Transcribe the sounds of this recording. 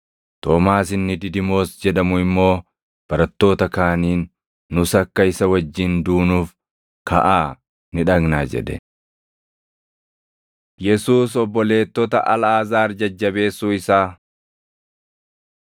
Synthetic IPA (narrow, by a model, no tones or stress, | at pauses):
t̪oːmaːsɪnːɪd̪ɪd̪ɪmo̞ːsd͡ʒɛᶑɐmʊɪmːo̞ː | b̥ɐɾɐt̪ːo̞ːt̪ɐkaːniːnː | ʊsɐkːɐɪsɐwɐd͡ʒːɪnd̪uːnuːf | kʰɐ̰ʔaː | nɪᶑɐɡnaːd͡ʒɛ̰ᶑ̪ɛ̰ | jɛsuːsɔbːɔle̞ːt̪ːɔt̪ɐʔɐlaːzaːɾd͡ʒɐd͡ʒːɐbe̞ːsːuːɪsaː